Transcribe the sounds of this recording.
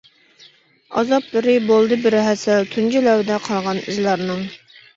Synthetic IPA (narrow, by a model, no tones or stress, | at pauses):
ɑ̰zɑplˠɨɾɨbolˠd̪ɨbɪɾɦɛsɛlt̪ʰund͡ʒilɛwd̪ɛqʰɑlˠʁɑnḭzlɑɾnɨŋ